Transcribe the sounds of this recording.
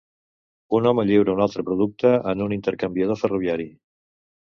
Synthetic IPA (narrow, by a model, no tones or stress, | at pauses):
unɔməʎiwɾəunalˠt̪ɾəpɾuðuk̚t̪əʔənunint̪əɾkəmbiəð̞ofəruβiaɾi